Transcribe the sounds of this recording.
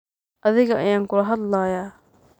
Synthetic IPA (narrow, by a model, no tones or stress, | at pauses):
ʔɐðɪɣɐʔɐ̰jaːŋkʊlɐɦɐd̪laːjaː